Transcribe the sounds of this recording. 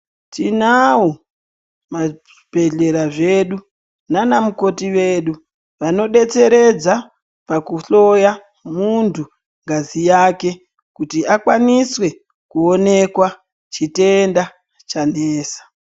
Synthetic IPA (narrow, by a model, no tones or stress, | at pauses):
tinao | maʐibʱe̞ɮe̞ɾaʐeɗu | nanamuko̞tiʋe̞ːɗu | ʋano̞ɗe̞t͡se̞ɾe̞d͡za | pakuɬo̞ja | muntʰu | ŋɡazijaːke̞ | kutiakwaniswe̞ | kuo̞ne̞kwa | t͡ʃite̞nda | t͡ʃaneːsḁ